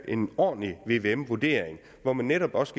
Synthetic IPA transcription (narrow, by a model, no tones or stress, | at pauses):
ʔe̝nɒ̰ːnəliʋe̝ʋe̝emʋuɐd̥e̝ɐ̰eŋ | ʋɒmænːeɾɒ̽b̥ɒ̽sɡ̥